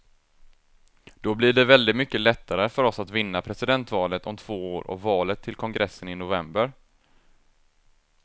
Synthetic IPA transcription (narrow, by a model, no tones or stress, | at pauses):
d̪̥ɔblɪɖɛvɛld̪ɪt̪mʏkːəlɛt̪ʰːaɾəfœɾɔsat̪vɪnːapʰɾɛsɪd̪ɛnt̪vɑːlət̪ʰɔmt̪ʰv̥oːoːɾɔ̰vːɑːlət̪ʰːɪlkʰɔŋɡɾɛsːənɪnʊvɛmbəɾ